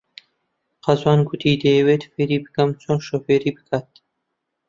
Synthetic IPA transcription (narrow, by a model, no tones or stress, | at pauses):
qɐzwɑːnɡut̪ʰiːd̪ewet̪feɾiːbɨkɐmt͡sʰonʃofeɾiːbɨkʰat̪